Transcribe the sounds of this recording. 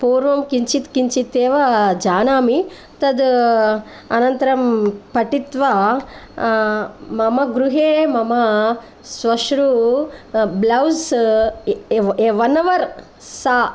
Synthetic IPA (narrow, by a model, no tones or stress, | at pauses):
puːɾʋɐmkiɲt͡ʃit̪kiɲt͡ʃit̪eːʋɐd͡ʒaːnaːmi | t̪ɐd̪ | ɐnɐnt̪ɐɾɐmpɐʈit̪ʋa | mɐmɐɡɾuɦeːmɐmɐ | sʋɐʃɾu | blɐws | eʋɐnːɐʋɐɾ | saː